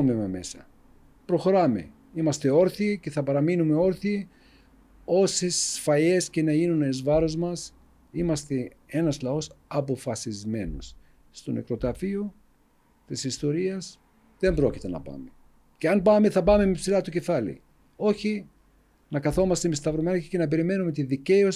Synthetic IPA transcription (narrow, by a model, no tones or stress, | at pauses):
memɐme̞̰sɐ̰ | pɾo̞xo̞ɾɐme̞̰ | imɐst̪e̞o̞ɾθice̞θɐpɐɾɐminume̞o̞ɾθi | o̞sesfɐje̞sce̞nɐinuneizvɐɾo̞zmɐs | imɐst̪e̞ | e̞nɐslɐo̞sɐpo̞fɐsizme̞no̞̰sː | t̪one̞̰kɾo̞t̪ɐfio | t̪isist̪o̞ɾiɐs | ðe̞mbɾo̞cit̪e̞nɐ̰pɐ̰me̞ | ceɐnbɐme̞θɐpɐme̞mepsiɾɐt̪uce̞fɐlḭ | o̞çi | nɐkɐθo̞mɐst̪emist̪ɐvɾomɐnɐcicenɐp̬e̞ɾime̞nume̞t̪iðice̞os